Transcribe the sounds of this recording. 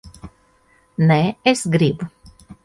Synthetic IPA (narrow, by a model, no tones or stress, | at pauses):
neesɡɾibu